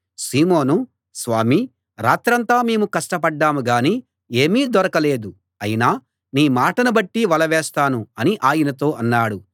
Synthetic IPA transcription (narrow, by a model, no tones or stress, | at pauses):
siːmoːnu | sʋaːmi | ɾa̰ːt̪ɾɐnt̪aːmeːmukɐʂʈɐpɐɖːaːmuɡaːni | e̞ːmiːd̪ɔɾɐkɐleːd̪u | ɐjinaː | niːmaːʈɐnɐbɐʈːiʋɐlɐʋɛːst̪aːnuɐniʔaːjinɐt̪o̞ːʔɐnːaːɽu